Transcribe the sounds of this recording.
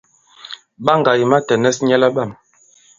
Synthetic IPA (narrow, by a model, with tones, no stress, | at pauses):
ɓa˦ŋɡa˨ji˨ma˦tɛ˨nɛ˦sɲɛ˦la˦ɓa˦˨m